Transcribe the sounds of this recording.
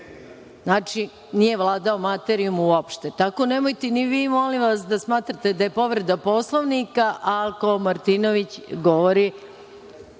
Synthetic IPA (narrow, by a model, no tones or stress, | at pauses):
znaːt͡ʃi | nije̞ʋlˠaːd̪ao̞mat̪eɾiumuopʃt̪et̪ako̞nemojt̪eniʋiːmo̞limʋasd̪asmaːt̪ɾat̪e̞d̪ajepo̞ʋɾe̞d̪apo̞slˠoʋnikaʔako̞maɾt̪inoʋit͡ɕɡo̞ʋoɾi